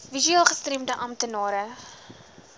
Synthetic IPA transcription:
vizyɑːlˠχəstremdəʔɐmtənɑːɾə

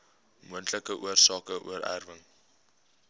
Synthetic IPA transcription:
muəntləkəʔuərsɑːkəʔṵəɾæ̰rvəŋ

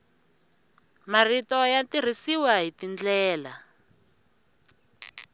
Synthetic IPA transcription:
maritɔjatir̤isiwaɦitind͡ɮɛːla

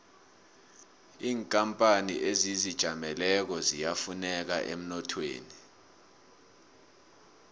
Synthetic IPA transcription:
iːŋkʼampʼaniʔezizid̥ʒ̥ʱamɛlɛk̬ɔzijafunɛk̬a̰ʔḛm̩nɔtʰwḛːni

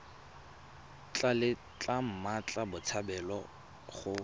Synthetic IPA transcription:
t͡ɬʼalɪ | t͡ɬʼam̩mat͡ɬʼabʊt͡sʰabɛlɔ | χʊ

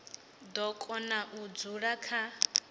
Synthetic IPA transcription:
d̪ɔkʼɔnaʔud͡zuɺakʰa

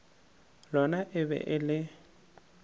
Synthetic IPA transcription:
lɔnaʔɪbɛ̰ʔɪlɪ

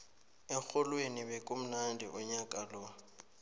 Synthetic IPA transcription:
ɛk͡xʰʊlwenɪbɛkʼʊm̩nandiʔʊɲakʼalɔ

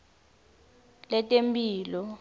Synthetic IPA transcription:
lɛtʼempʼiːlɔ

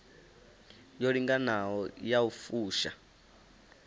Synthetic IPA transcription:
joɺiŋɡanaɔjaufuːʃa̰

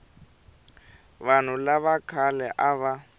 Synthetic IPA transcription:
βan̤ulaβakʰalɛʔaβa

